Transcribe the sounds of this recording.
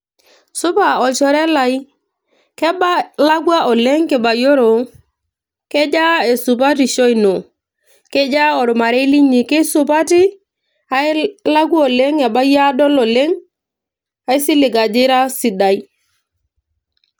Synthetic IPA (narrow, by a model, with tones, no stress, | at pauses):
sʊ˦pa˨ɔ˨t͡ʃɔ˨ɾɛ˦la˨i˦ | kɛ˦ba˦la˦kwa˦ʔɔ˨le˦ŋkɛ˨ba˨jo˦ɾo˨ | kɛ˦d͡ʒa˦e˨sʊ˨pa˦ti˨ʃɔ˦i˨no˨ | kɛ˦d͡ʒa˦ɔ˨ɾʊ˨ma˨ɾɛ˦li˦ɲi˨kɪ˦sʊ˦pa˦tɪ˦ | a˨ɪ˦la˦ku˦o˨le˦ŋɛ˨ba˦ja˦dɔ˦lɔ˨le˦ŋ | a˨ɪ˦sɪ˦lɪ˨ɡa˨d͡ʒɪ˦ɾa˦sɪ˨da˨i˦